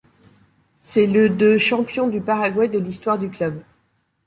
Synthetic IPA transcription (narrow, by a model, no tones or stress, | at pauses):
sɛləd̪øʃɑ̃pjɔ̃d̪ypaʁaɡwad̪əlist̪waʁd̪yklœb